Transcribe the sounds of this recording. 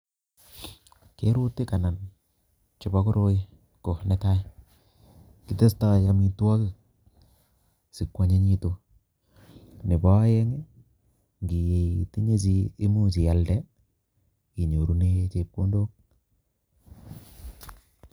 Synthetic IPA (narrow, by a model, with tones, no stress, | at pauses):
ke˦ɾu˦ti˦ka˨na˨n | t͡ʃɪ˨ba˦kʊ˦ɾo˦je˦ | ko˨ne˦ta˦ | kɪ˨te˦sta˦ja˨mi˨tu˦wa˦ki˨ | si˨kwa˨ɲe˦ɲi˦to˨ | nɪ˨ba˦je˦ŋe˦ | ŋɡi˨je˨iti˦ɲe˦s̬i˦i˦mu˦si˨ja˨ldɛ˦ | i˨ɲo˨ɾu˦ne˦t͡ʃe˦p̚ko˦ndo˦k̚